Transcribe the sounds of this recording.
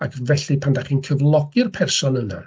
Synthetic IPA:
akʰvɛɬiɨpʰandaχinkʰəvlˠɔɡ̥ɨrpʰɛrsɔnəna̰

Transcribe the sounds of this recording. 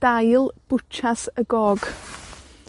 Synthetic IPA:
d̥ajlˠb̥ʊt͡ʃʰasəɡɔːɡ̥

